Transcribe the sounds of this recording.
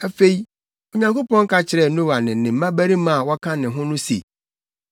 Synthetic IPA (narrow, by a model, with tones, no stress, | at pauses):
æ˨fe˦i˦ | o˨ɲã˦ŋko˦pɔ̃˦ŋ˦kʰa˦t͡ɕʰɪ˨ɾɛ˨nʊ̃˦wa˨nɪ̃˨nɪ̃˨m̩˦mã˦bæ˦ɾi˦mã˦˨wɔ˦kʰã˦nɪ̃˨ɦʊ̃˦nʊ̃˦sḛ˨